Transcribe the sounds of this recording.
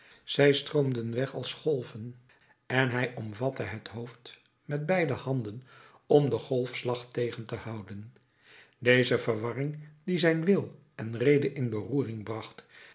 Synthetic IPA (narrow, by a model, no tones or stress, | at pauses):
z̥ɛjstroʊmdənʋɛχɑlˠsχɔlˠvən | ɛnɦɛjɔmvɑtəɦətɦowft | mɛd̚bɛjdəhɑndən | ɔmdəχɔlˠfslɑχtejχəntəhɑwdən | dejzəvəɹʋɑrɪŋdizɛjnʋɪlˠ | ɛnrejdəʔɪnbəruːrɪŋbrɑχt